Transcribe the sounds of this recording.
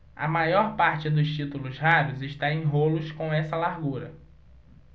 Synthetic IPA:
ɐ̰majɔɾpaɾt͡ʃɪd̪ʊst͡ʃit̪ulʊshaɾʊzɪʃt̪aẽj̃ɦolʊskõw̃ɛsɐlaɾɡuɾɐ

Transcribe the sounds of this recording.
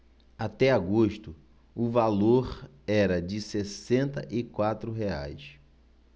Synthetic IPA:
at̪ɛaɡoʃt̪ʊ | ʊvaloɾ | ɛɾɐd͡ʒɪsesẽnt̪ɐʔɪkwat̪ɾʊɦeajs

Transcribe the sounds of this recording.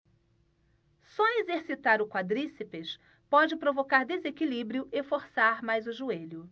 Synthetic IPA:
sɔezeɾsit̪aɾʊkwad̪ɾisipeʃ | pɔd͡ʒɪpɾovokaɾd̪ezekilibɾjʊʔefoɾsaɾmajzʊʒueʎʊ

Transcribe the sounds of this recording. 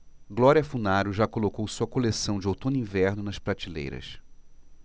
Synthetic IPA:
ɡlɔɾiɐfunaɾʊʒakolokowsuɐkolesɐ̃w̃d͡ʒɪowt̪õnĩvɛɾnʊnɐʃpɾat͡ʃilḛjɾɐ̰s

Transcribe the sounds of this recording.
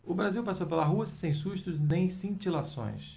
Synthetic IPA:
ʊbɾaziwpasowpelɐɦuɐsɐ̥sẽj̃suʃt̪ʊznẽj̃sĩt͡ʃilasõ̰j̃s

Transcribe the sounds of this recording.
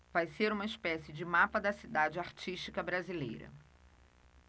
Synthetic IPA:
vajseɾũmɐɪspɛsɪd͡ʒɪmapɐd̪ɐsid̪ad͡ʒɪaɾt͡ʃiʃt͡ʃikɐbɾazilḛjɾɐ̰

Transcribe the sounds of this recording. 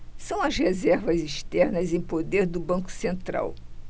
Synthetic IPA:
sɐ̃w̃ɐzhezɛɾvɐziʃt̪ɛɾnɐzẽj̃pod̪eɾd̪ʊbɐ̃ŋkʊ̥sẽnt̪ɾa̰w

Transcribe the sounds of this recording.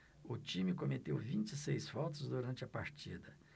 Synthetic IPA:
ʊt͡ʃĩmɪkomet̪ewvĩnt͡ʃɪsejsfɔt̪ʊzd̪uɾɐ̃nt͡ʃɪɐpaɾt͡ʃid̪ɐ

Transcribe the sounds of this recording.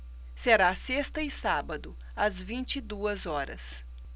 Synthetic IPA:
seɾasest̪ɐɪsabɐd̪ʊ | ɐzvĩnt͡ʃid̪uɐzɔɾɐ̰s

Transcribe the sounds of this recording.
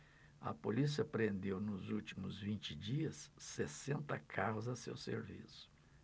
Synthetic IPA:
ɐ̰polis̬iɐpɾẽnd̪ewnʊzuwt͡ʃimʊzvĩnt͡ʃɪd͡ʒiɐsːesẽnt̪ɐkʰaɦʊzɐsḛwsḛɾvḭsʊ̥

